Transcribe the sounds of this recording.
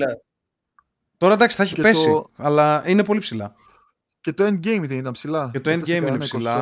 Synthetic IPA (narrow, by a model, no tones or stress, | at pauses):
ɐ | t̪o̞ɾɐd̪ɐksi̥θɐeçi̥pe̞siɐlɐine̞po̞lipsilɐ | cet̪oend̪̚ɟejmðenit̪ɐnpsilɐet̪oenɡɟejminesilɐ